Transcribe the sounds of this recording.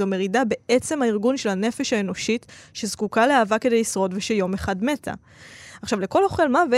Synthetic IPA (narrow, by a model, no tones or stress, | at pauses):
ome̞ʁidabe̞et͡se̞mhaiʁɡunʃe̞lanefeʃhae̞no̞ʃitʃezkukaleaːvakedejlisʁo̞dveʃejo̞meχadme̞tʰa̰ | aχʃavle̞ko̞lo̞χe̞lmave